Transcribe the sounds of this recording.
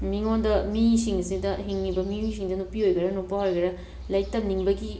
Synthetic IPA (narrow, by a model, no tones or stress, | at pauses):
miŋondɐmisiŋɐsidɐɦiŋnibɐmius̬iŋdɐnupiojɡɐɾɐnupːɐɦojɡɐɾɐ | lɐjtːɐmniŋbɐɡi